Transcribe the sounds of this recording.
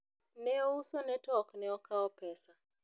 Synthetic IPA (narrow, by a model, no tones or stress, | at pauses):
nɛusɔnɛtɔknɛɔkaɔpɛsa